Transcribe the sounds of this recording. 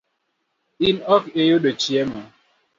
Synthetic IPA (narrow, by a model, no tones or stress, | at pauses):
inɔkejoɗot͡ʃjɛma